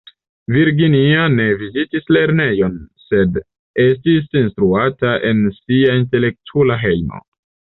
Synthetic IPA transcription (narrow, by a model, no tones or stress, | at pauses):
viɾɡiniane̞vizitisle̞ɾne̞jo̞nse̞d | e̞s̬tisinstɾuataʔe̞nsiainte̞le̞k̚tʰulaɦe̞jmo̰